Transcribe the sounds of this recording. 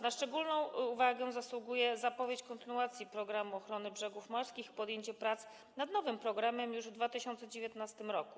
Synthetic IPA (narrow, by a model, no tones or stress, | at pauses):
naʂt͡ʂɛɡulnɔ̃w̃uvaɡɛ̃zaswuɡujɛzapɔvʲjet͡ɕkɔnt̪ɘnuat̪sʲjipɾɔɡɾamuɔxɾɔnɘbʐɛɡufmɔɾskʲixpɔd̪jeɲt͡ɕɛpɾat̪s | nad̪nɔvɘmpɾɔɡɾamɛmjuʐvd̪vat̪ɘɕɔnt̪sɛd͡ʑevʲjɛt̪nast̪ɘmɾɔku